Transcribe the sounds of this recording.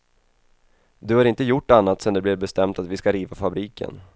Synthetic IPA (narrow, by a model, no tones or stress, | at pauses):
d̪ɵhaɾɪnt̪əjʊʈːanːat̪sɛnd̪ɛblɪɾbɛst̪ɛmt̪at̪vɪskaɾiːvafabɾiːkʰə̰n